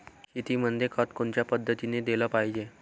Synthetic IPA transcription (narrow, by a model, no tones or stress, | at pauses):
kit̪imənd̪ʱjekʰət̪koɳt͡ɕjapəd̪ʱːət̪ined̪eləpaɦid͡ʑe